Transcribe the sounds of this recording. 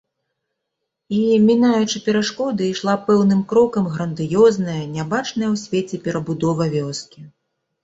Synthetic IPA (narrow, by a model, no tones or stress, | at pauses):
imʲinajut͡ʂɨpʲɛɾaʂkɔd̪ɨiʂlˠapɛwnɨmkɾɔkɐmɣɾɐnd̪ɨjɔznɐjɐnʲabat͡ʂnɐjɐwsʲvʲet͡sʲɛpʲɛɾɐbud̪ɔvɐvʲɔskʲi